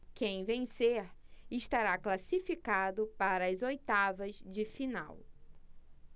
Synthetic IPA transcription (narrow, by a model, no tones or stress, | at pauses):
kẽj̃vẽseɾɪʃt̪aɾaklasifikad̪ʊpaɾɐːzojt̪avɐzd͡ʒɪfina̰w